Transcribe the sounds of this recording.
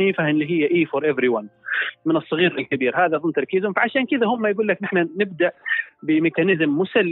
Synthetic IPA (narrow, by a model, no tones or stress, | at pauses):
iːfahnliɦɪjːaʔiːfɔɾˤʔɛvɾiwanmɪnɨsˤːɑɣiːɾɪlkabiːɾhaːðaðˤʊnt̪ɑɾˤkiːzʊmfaʕaʃaːnkɪðahʊmːajɡuːlːaknɪħnanɪb̚d̪aʔbɪmɪkanɪzmːʊsalː